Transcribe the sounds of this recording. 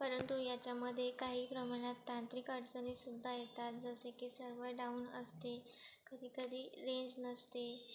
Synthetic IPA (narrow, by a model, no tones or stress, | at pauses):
pəɾənt̪ujat͡ɕjaməd̪ʱːjekaɦiːpɾəmaɽ̃at̪ːãnt̪ɾikəʈd͡zənisud̪ʱːajet̪at̪̚d͡zəsekiːsəɾʋəɾɖauːnə̰st̪e | kəd̪ʱiːkəd̪ʱiːɾeɲd͡ʑnəst̪e